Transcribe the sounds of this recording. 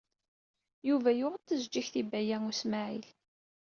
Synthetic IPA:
juvæjʊʁət̪ːəzd͡ʒːiçθibæjæŋusmaʕil

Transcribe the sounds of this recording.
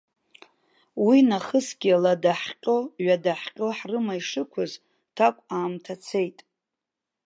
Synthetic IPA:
winaχəsɡʲialadaħqʲʼoɥadaħqʲʼoħrɨmaiʂɨkʷʰʊz | tʰakʷʼaːmtʰat͡sʰe̞jtʼ

